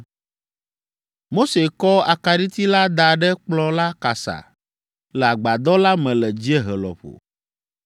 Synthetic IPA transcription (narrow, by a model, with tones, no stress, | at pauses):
mo˦se˨kɔ˦a˨ka˨ɖi˦t̪i˦la˦d̪a˨ɖɛ˦k͡plɔ˦la˦ka˨sa̰˨ | lɛ˨a˨ɡ͡ba˨d̪ɔ˦la˦mɛ̃˨lɛ˨d͡ʑi˦e˦ɦɛ˨lɔ̰˨ɸo̰˨